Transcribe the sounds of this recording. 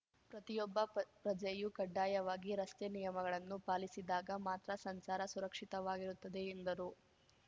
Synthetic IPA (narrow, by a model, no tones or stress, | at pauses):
pɾɐt̪ijɔbːɐpɾɐd͡ʒɐjukɐɖːaːjɐʋaːɡiɾɐst̪enijɐmɐɡɐɭɐnːupaːlisid̪aːɡɐmaːt̪ɾɐsɐnsaːɾɐsuɾɐkʂit̪ɐʋaːɡiɾut̪ːɐd̪e̞ːnd̪ɐɾu